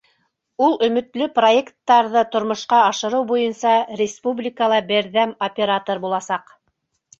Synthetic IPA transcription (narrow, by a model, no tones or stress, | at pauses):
ulˠɵ̆mɵ̆t̪lɵpro̞ekt̪ːɑɾðɤt̪ŏɾmŏʃqɑːʃɤ̆ɾɤwbujɤnsɑrʲɪspublʲikəlˠɑbɘ̆ɾðæmopʲeɾat̪oɾbulˠɑsɑq